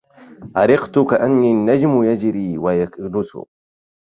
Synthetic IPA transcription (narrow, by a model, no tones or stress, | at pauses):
ʔaɾɪqt̪ʊkaʔanːinːad͡ʒmʊjad͡ʒɾiːwajaknʊsʊ̰